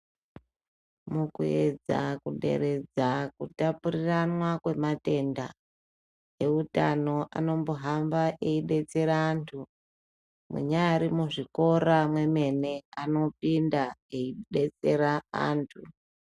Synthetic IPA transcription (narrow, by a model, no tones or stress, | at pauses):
mukue̞d͡za̰kuɗe̞̰ɾe̞d͡zakutapuriranwakwe̞mate̞nda | je̞utano̞ʔano̞mboɦambaʔeiɗe̞t͡se̞ɾaːntʰu | mwṵɲaɾimuʐiko̞ɾamwe̞me̞ne̞ano̞pindaeiɗe̞t͡se̞ɾaa̰ːntʰu